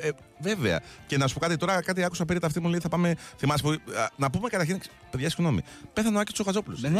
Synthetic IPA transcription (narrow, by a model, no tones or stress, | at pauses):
ve̞veɐ̰ce̞nɐsu̥po̞kɐt̪it̪o̞ɾɐkɐt̪iɐkusɐpeɾɐt̪ɐft̪imuleiθɐpɐmeθimɐsi̥punɐpume̞kɐt̪ɐɾçin | peðʝɐsiɣno̞mḭ | peθɐnɐcist̪uszoɣɐzo̞pulṵss